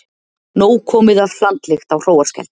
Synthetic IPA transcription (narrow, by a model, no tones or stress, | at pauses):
noːwkʰɔːmɪðav̥l̥ant̪lɪxt̪awr̥oːwaɾskɛ̰lt̪